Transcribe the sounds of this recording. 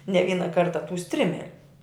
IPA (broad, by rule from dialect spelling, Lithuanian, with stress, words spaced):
nʲɛ ˈʋʲiːnɐ ˈkɐrtɐ tʊ ˈsʲtʲrʲɪmʲɛlʲʊ